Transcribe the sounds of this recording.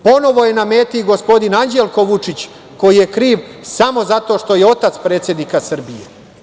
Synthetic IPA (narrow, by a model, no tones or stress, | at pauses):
po̞no̞ʋo̞je̞name̞ːt̪iɡo̞spo̞d̪inand͡ʑelˠko̞ʋut͡ʂit͡ɕ | ko̞jije̞kɾiːʋsamo̞zat̪o̞ːʃt̪o̞je̞o̞t̪at̪spɾe̞ːt̪sʲjed̪nikasr̩bijḛ